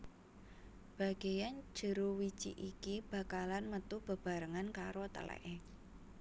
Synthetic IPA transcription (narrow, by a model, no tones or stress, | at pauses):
b̥a̤ɡ̥ejan̥d͡ʒ̥ə̤ɾuwi̥t͡ʃḭʔikib̥a̤kalanmət̪ub̥ə̤b̥a̤ɾəŋankaɾot̪ə̰lɛ̰ʔe